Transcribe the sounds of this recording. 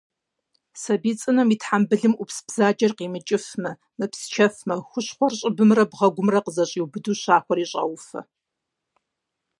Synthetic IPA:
sɐbiːt͡sʼɨnɐmitħambɨɮɨmʔʷʊpsbz̥aːd͡ʒɐrqiːmɨt͡ʃʼɪfmɐ | mɨpst͡ʃʰɐfmɐxʷʊɕχʷɔrɕʼɪbɨmrɐbʁɐɡʷʊmrɐqəzɐɕʼiːwbɨduːɕaːxʷɔriːɕʼɐ̰wfɐ̰

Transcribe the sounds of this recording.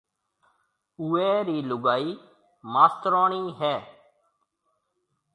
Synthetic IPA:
ʊeːɾiːlʊɡaːiː | maːst̪ɾãːɳ̃iːɦɛː

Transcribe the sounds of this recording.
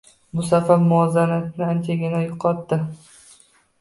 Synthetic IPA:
bʊsafaɾmʊɒzanat̪nɪant͡ʃʰaɡʲɪnajoqʰɒt̪ːɪ

